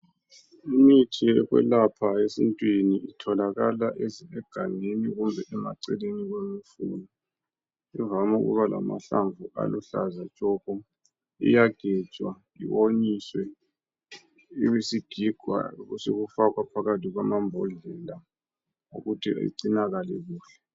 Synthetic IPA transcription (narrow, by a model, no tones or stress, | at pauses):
imitʰiɛɣwɛ̰lapʰaesḭntʼwiniitʰɔlaɣalaʔeziɛɡ̥ʱaneniɣumbʱɛʔɛma̰ǀɛleniɣwemifṵnɔ | ivamṵɣṵβala̰ma̰ɬaɱvʱuʔa̰luɬa̰zat͡ʃʼɔɣɔ | ḭjaɡ̥ʱɛt͡ʃʼwa | ḭwoɲiswɛ | iwesiɡ̥ʱiɡ̥ʱwa̰ɣuseɣufakwapʰaɣatʰʼiɣwamambʱɔɮɛla | o̰ɣutʰiʔa̰ḭǀinaɣalɛɣuːɬɛ̥